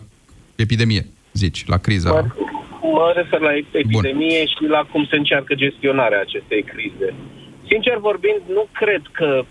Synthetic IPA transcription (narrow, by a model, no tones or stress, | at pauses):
epid̪e̞mije | zit͡ʃʲlʔa̰kɾizə | məre̞fe̞rlaeebpiund̪e̞mije̞ʃilakumse̞ɨnt͡ʃarkəd͡ʒe̞st̪io̞naɾeaːt͡ʃe̞st̪e̞jkɾize̞ | sint͡ʃe̞rvo̞rbind̪nukɾe̞d̪kə